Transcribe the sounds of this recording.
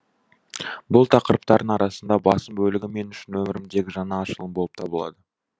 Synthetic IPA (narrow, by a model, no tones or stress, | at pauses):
bʊlˠt̪ʰɑqəɾəp̚t̪ɑɾd̪əɴɑɾɑsənd̪ɑbɑsəmbɵlɪɡʲɪme̞nʏʃɪnwɵmɪɾɪmd̪e̞ɡʲɪʒɑnɑːʃəlˠəmbo̞əp̚t̪ʰɑbəlˠɑ̰d̪ə